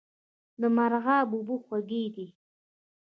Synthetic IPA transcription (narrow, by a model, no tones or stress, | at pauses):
d̪əmaɾɣɑbubuxwaɡed̪i